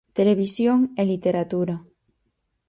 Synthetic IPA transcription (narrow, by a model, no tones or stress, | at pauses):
t̪eleβisjoŋelit̪eɾat̪uɾa